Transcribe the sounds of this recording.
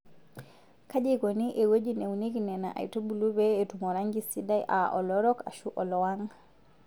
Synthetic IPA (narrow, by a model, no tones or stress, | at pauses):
kad͡ʒikoniʔɛwod͡ʒinewneɡinɛna̰ʔa̰jtobulubɛɛtumɔɾaŋɡisidajʔa̰ʔɔlɔɾɔka̰ʃuʔɔlɔwaŋ